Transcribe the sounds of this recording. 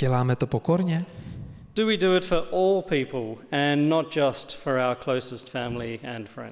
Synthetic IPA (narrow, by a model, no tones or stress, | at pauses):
ɛlaːmɛt̪ɔpɔkɔɾɲɛ | d̥ɨwidɨɪtfə˞ʔɔːlˠpʰiˑpəlˠɨ̃nːət̚d̥ʒ̥ʌstfə˞aʊəkʰl̥əʊsəstfæ̃mliɨ̰̃nfɹɛ̰̃nd